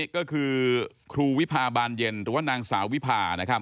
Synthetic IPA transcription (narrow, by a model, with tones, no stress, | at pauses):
kɔː˥˩kʰɯː˧ | kʰɾuː˧wi˦˥pʰaː˧baː˧nje˧nɾɯː˩˦waː˥˩naː˧ŋsaː˩˦wi˦˥pʰaː˧na˦˥kʰa˦˥˩